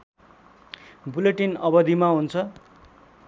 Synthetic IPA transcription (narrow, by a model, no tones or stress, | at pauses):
buleʈinʌbʌd̪ʱimaɦunt͡sʰʌ